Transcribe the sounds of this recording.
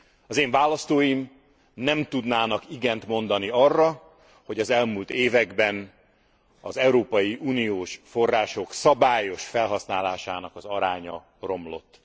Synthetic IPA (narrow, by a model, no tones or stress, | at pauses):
ɒzeːɱvaːlɒst̪oːjim | nɛmt̪ud̪naːnɒkiɡɛnt̪mo̞nd̪ɒniɒrːɒ | ho̞ɟɒzɛlmult̪eːvɛɡbɛn | ɒ̰zɛuɾoːpɒjiʔuːnioːʃfo̞rːaːʃo̞ksɒbaːjo̞ʃfɛlɦɒsnaːlaːʃaːnɒkɒzɒɾaːɲɒ̰ | ro̞mlo̞̰t̪ː